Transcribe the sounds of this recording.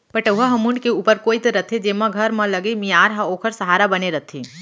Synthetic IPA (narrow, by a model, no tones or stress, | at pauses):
pəʈəɦaɦɐmuɳɖkeuːpəɾkoːit̪ɾɐt̪ʰed͡ʒemãɡʱɐɾmɐ̃lɐɡemijaːɾɦãoːkʰəɾsɐɦaːɾabɐneɾət̪ʰiː